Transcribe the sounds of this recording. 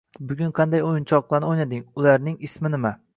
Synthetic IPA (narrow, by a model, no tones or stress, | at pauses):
bʊɡʲʊnqʰɑnd̪ajojɪnt͡ʃʰɒqlˠaɾnɪojnad̪ɪŋʊlaɾnɪŋɪsmɪnɪma